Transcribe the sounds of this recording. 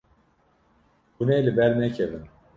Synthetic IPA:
unɛlɨbɛlnɛcʰevin

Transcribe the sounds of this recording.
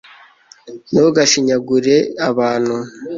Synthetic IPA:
niβoɡaʃiɲaɡuɾeaβaːn̤hu

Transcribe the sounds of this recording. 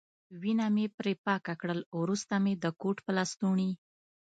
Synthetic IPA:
winamepɾepɑkakɽəlɾust̪amed̪əkoʈpəlɑst̪uɳi

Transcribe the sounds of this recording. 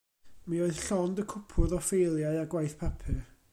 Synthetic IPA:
mioɨð̥ɬɔndəkʰʊpʰʊðɔfejlˠjaɨaɡwajθpʰapʰɨ

